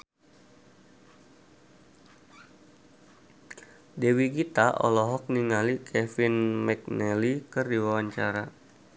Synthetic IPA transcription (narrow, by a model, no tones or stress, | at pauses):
dewiɡit̪aʔɔ̰lɔɦɔk̚niŋalikʰɛfinmɛk̚nɛlikɨrdiwawaɲt͡ʃaɾa